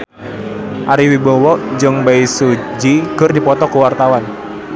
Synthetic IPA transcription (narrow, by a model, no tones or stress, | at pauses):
ʔaɾiwibɔwɔʔd͡ʒɨŋbaisud͡ʒikɨrdipɔt̪ɔkuwart̪awan